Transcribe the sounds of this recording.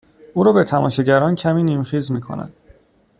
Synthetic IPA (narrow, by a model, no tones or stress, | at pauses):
ʔuːɾɒːbet̪ʰæmɒ̰ːʃiɟæɾɒːncʰæmiːniːmxiːzmiːkʰo̰næ̰nd̪̥